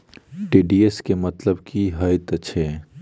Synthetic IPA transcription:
ɖiːɖieskemɐt̪ləbkiɦɐɪt̪ɐːʃʰe

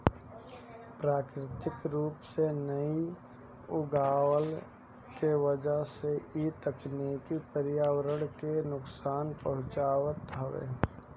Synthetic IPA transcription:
pɾaːkɾɪt̪ɪkɾuːpsenəi | ʊɡaːwəl | keʋəd͡ʒəɦseʔit̪əknikipəɾɪjaːwəɾəɽ̃kenʊksaːnpəɦʊ̃t͡ʃaːwət̪ɦɐʋḛː

